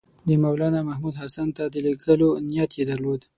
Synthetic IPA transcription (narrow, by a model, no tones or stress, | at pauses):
d̪əmawlɑnamahmud̪ɦasant̪ad̪əliɡəlonijat̪jed̪aɾlod̪